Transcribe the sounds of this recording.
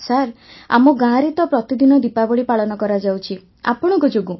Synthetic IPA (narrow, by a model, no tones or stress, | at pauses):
saɾ | a̰mɔɡãɾit̪ɔpɾɔt̪id̪inɔd̪ipabɔɭipaɭɔnɔkɔɾad͡ʒawt͡ʃʰi | a̰pɔɽ̃ɔŋkɔd͡ʒoɡũ